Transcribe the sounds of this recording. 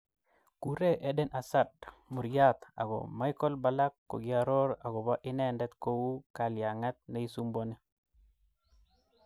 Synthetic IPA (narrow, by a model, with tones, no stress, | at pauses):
ku˨ɾe˦ʔɛ˦dɛ˦nʔa˨sa˦d̚mu˨ɾja˦t̪a̰˨ɡɔ̰˨ma˦jkɔ˦lba˨la˦kːo̰˨ɡɪa˨ɾɔ˦ɾa˨ɡɔ˨ba˦ʔɪ˦nɛ˦ndɛ˦t̪ko˦wu˦ka˨lja˨ŋa˦t̪̚na˦i˦su˦mbo˦ne˦